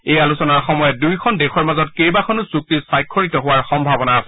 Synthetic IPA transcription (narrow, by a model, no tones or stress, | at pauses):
ejalusɔnaɹxɔmɔjɛdujkʰɔndɛxʰɔɹmazɔtkejbakʰɔnʊzuk̚tisajkʰːɔɹitɔɦʊwaɹxɔmbʱabɔna